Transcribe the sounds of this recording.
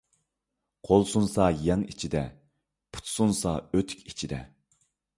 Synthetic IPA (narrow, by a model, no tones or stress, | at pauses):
qʰolˠsunsɑjɛŋit͡ʃʰid̪ɛ | pʰu̥t̪sunsɑøt̪ʰy̥kʲit͡ʃʰid̪ɛ̰